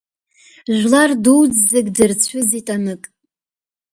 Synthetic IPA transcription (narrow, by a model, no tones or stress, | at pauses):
ʒᶣʷlarduwd͡zzeɡʲdɨrt͡sʷʰʊzitʼanɨkʼ